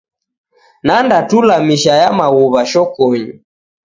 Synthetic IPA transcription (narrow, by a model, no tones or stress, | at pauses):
nandatulamiʃajamaɣuβaʃɔkɔɲi